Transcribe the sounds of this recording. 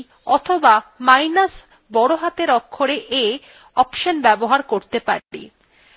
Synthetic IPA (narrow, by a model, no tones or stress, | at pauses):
ɔt̪ʰobamajnas | bɔɽoɦat̪eɾɔkʰːoɾeʔe | ɔpʃonbɛboɦaɾkoɾt̪epa̰ḭ